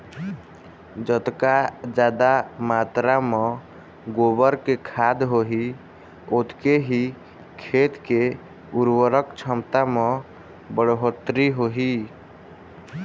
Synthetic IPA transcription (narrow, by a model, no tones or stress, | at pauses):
d͡ʒət̪kad͡ʒaːd̪amat̪ɾamɔ | ɡobəɾkekʰad̪ɦoɦi | ot̪keɦi | kʰet̪ke | uɾwəɾəkt͡ʃʰəmt̪amɔ̃ | bəɽɦot̪ɾiɦoɦi